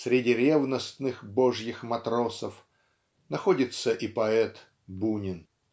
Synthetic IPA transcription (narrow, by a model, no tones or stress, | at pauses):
sʲɾʲɪdʲiɾʲevnəst̪nɨxbo̞ʐjɪxmɐt̪ɾo̞səf | nɐxodʲɪt̪səʔipɐɛt̪ | bunʲɪn